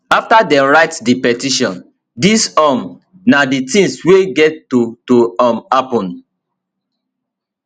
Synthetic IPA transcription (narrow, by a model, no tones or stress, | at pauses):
aftadɛ̃ɹaɪtdipɛtiʃɔ̃n | disam | naditĩŋsweɡɛtːotoamapɔ̃n